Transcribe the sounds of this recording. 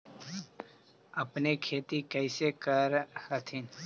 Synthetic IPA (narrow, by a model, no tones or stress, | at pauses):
əpnekʰeːt̪ikəɪsekəɾhət̪ʰiːn